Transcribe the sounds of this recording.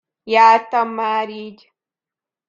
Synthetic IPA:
jaːt̪amːaɾid͡ʒ

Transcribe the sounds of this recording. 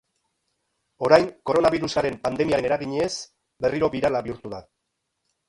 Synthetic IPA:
o̞ɾajŋko̞ɾo̞naβiɾusaɾe̞mpand̪e̞miae̞ne̞ɾaɣiɲes | be̞riɾo̞βiɾalaβiuɾt̪uða

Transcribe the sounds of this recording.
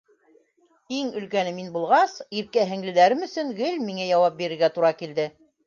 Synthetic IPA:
iŋɵ̆lkænɘminbulˠʁɑsiɾkæɦɘ̆ŋlɘ̆læɾɘmɵ̆sɵŋɡɘlmiŋæjɑwɑp̚biɾɘ̆ɾɡæt̪uɾɑkild̪ɘ

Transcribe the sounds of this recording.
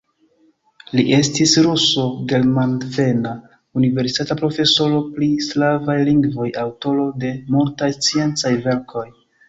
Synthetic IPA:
liʔe̞stisɾuso̞ɡe̞lmandve̞na | unive̞ɾsi̥tatapɾo̞fe̞so̞ɾo̞pɾislavajliŋɡvo̞jawto̞ɾo̞de̞multajst͡sie̞nt͡sajve̞ɾkʰo̞j

